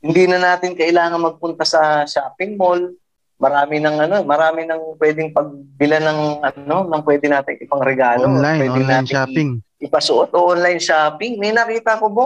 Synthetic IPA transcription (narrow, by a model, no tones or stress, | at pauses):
hɪnd̪iːnɐnaːt̪ɪnkɐʔɪlaːŋɐnmɐɡ̚pʊnt̪ɐsɐʃaːpɪŋmo̞l | mɐɾaːmɪnɐŋʔɐno̞mɐɾaːmɪnɐŋpwɛːd̪ɪŋpɐɡ̚bɪlanɐŋʔɐo̞nɐŋpwɛːd̪ɪnaːt̪ɪŋɪpɐŋɾɛɡaːlowɛːɪŋnaːt̪ɪŋʔɪpɐsʊʔot̪ʔoːʔonlɐjnʃaːpɪŋmɐnɐkiːt̪ɐkobo